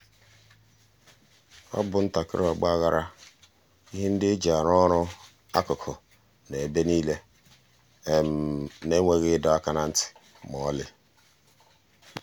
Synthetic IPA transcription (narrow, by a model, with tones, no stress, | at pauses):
ɔ̰˦bʊ˨n̩˦ta˨kɪ˦ɾɔ˨ɡ͡ba˦ɣa˦ɾa˦ | i˦ɦe˦n̩˦dɪ˦d͡ʒa˨ɾɔ˦ɾʊ˦ | a˦kʊ˨kʰɔ˨ | ne˨e˨be˦niː˦le˦ | e˨m̩˨ne˦ŋʷe˨ɣɪ˦dɔ˨a˦ka˦na˦n̩˦tɪ̥˨ | m˨ɔ˨˦lɪ˦